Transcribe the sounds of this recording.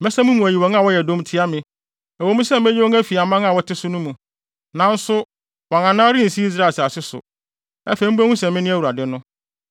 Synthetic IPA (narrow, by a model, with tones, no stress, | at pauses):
mɛ˦sɛ̃˦mũ˦mũ˨æ˨ji˨wɔ̃˨˦n˦ã˦˨wɔ˦jɛ˨dõ˦m˦tʰɪ˦a˦mɪ̃˨ | æ˨wo˦mũ˦sɛ˦m˨mɛ˦jɛ˦wɔ˦ŋæ˦fi˨a˨mã˦ŋ˦ã˦˨wɔ˦tʰɪ˦sʊ˦nʊ̃˦mũ˨ | nã˨˦n̩˦sʊ˦ | wɔ̃˨ŋã˨nã˦ɾɪ˦n̩˨si˦i˦s̬ɾa˦˨sa˨sɪ˦sʊ̰˨ | ɛ̰˦fe˨˦m̩˦ba˦ŋũ˦sɛ̃˨mɪ̃˦nɪ̃˦æ˦˨wu˨ɾa˨dɪ˨˦nʊ̃˦